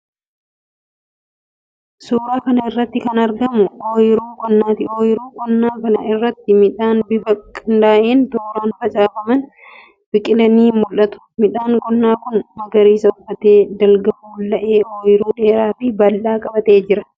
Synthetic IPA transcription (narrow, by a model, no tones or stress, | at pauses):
suːɾaːkɐnɐɪrːɐt̪ːɪkɐnɐɾɡɐmʊoːjɪɾuːkʼɔnːaːt̪ɪoːjɪɾuːkʼɔnːaːkɐnɐ̰ɪrːɐt̪ːɪmɪᶑaːnbɪfɐkʼːɪnd̪aːʔeːnt̪oːɾaːnfɐt͡ʃʼaːfɐmɐn | bɪkʼɪlɐniːmʊlʔɐt̪ʊ̥mɪᶑaːŋkʼɔnːaːkʊnmɐɡɐɾiːsɐʊfɐt̪eːd̪ɐlɡɐʔuːlːɐʔeːʔoːjɪɾuːᶑe̞ːɾaːfɪbɐlːaːkʼɐbɐt̪ʼe̞ːd͡ʒɪɾɐ